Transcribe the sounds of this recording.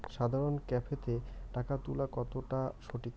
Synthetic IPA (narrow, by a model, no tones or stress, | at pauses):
ʃad̪ʱaɾonkɛpʰet̪eʈakat̪ulakɔt̪oʈaʃoʈik